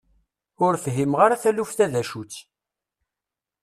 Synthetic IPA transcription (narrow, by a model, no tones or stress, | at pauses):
ʊɾfɦimʁaɾaθælufθæðæʃut͡sː